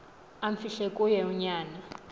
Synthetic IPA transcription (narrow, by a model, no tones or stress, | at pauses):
aɱfiɬekʼujɛuɲaːna